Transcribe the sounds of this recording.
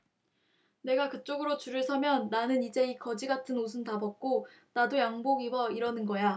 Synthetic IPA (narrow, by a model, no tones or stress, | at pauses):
ne̞ɡakɯt͡ɕ͈oɡɯɾot͡ɕuɾɯɭsʰʌmjʌnːanɯnid͡ʑe̞ikʌd͡ʑiɡatʰɯnos̬ʰɯntabʌk̚k͈o | nadojaŋboɡiwʌiɾʌnɯnɡʌja